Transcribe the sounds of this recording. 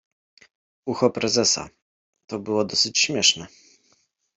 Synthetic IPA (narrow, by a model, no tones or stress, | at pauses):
uxɔpɾɛzɛsa̰ | t̪ɔbɘwɔd̪ɔsɘt͡ɕɕmʲjɛʂnɛ